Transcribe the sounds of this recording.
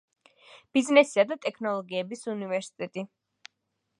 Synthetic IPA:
b̥iznɛsi̥ad̪at̪ʼɛkʰnɔlˠɔɡiɛbisunivɛɾsi̥t̪ʼɛt̪ʼi

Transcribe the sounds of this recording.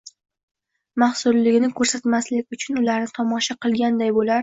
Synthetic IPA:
mahsʊlːɪɡʲɪnɪkʰɵɾsat̪maslɪkʲʊt͡ʃʰʊnʊlaɾnɪt̪ʰɒmɒʃaqʰɨlˠɡʲand̪ajbolaɾ

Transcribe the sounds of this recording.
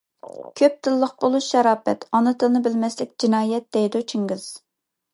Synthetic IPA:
kʲʰøp̚t̪ʰɪlːəq̚bolˠuʃɛɾɑːfɛt̪ʰɑnɨt̪ʰɨlnɨbɪlmɛslɪk̚ʲd͡ʒinɑːjɛt̪̚d̪̥ɛjd̪ut͡ʃʰiŋɡɪz̥

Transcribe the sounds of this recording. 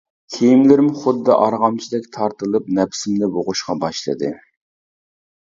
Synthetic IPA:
kʲʰejimlɪɾɪmʊχʊd̪ːɑ̰ʔɑɾʁɑmt͡ʃʰid̪ɛkʲt̪ʰɑɾt̪ɨlˠɨp̚nɛpsɪmnɪboʁʊʃqɑbɑʃlˠɨ̰d̪ɨ̰

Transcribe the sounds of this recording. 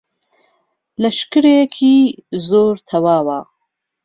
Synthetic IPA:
lɐʃkɨɾekʰiːzoːɾt̪ʰɐwaːwaː

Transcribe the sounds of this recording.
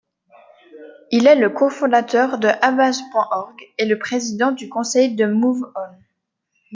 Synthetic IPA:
ilɛləkofɔ̃d̪at̪œʁd̪əʔabazpwɛ̃ʔɔʁɡeləpχezid̪ɑ̃d̪ykɔ̃sɛjd̪əmuvɔn

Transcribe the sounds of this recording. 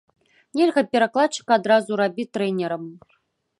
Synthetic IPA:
nʲelʲɣɐpʲɛɾaklˠat͡ʂːɨ̥kad̪ɾazuɾabʲit̪ɾɛnʲɛɾɐm

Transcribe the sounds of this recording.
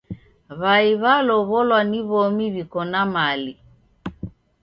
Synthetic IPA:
βaiβalɔβɔlwaniβɔmiβikɔnamali

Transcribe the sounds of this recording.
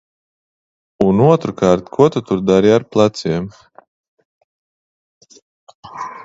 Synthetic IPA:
unuɔt̪ɾukaːɾt̪kʰuɔt̪ut̪uɾd̪aɾiaɾplˠat̪siɛm

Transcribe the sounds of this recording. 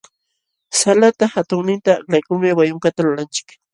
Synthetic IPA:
salat̪axat̪ʊŋnɪnt̪aːklajkʊŋmɪwajʊŋkat̪alʊɾant͡ʃɪ̥k

